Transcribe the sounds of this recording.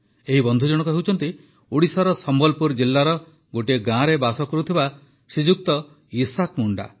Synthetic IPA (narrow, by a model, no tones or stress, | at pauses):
eɦibɔnd̪ʱud͡ʒɔɽ̃ɔkɔɦewt͡ʃʰɔnt̪i | uɽisaɾɔsɔmbɔlpuɾd͡ʒilːaɾɔ | ɡoʈieɡãɾebasɔkɔɾut̪ʰiba | sid͡ʒuk̚t̪ɔ | isakmuɳɖa̰